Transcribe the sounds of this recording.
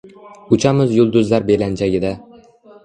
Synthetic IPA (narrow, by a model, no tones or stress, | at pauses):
ʊt͡ʃʰamɪzjʊlˠd̪ʊzlaɾbeland͡ʒaɡʲɪd̪a